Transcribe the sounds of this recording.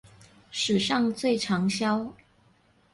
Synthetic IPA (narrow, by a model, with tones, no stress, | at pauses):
ʂɻ̩˨˩ʂɑ˥˧ŋt͡swe˥˩ɪʈ͡ʂʰɑ˧˥ŋɕjɑ˥ʊ